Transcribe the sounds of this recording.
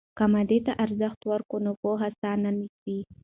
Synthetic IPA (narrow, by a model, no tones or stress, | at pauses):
kamad̪et̪aʔaɾzaxt̪waɾkonokoɦasɑnanikwi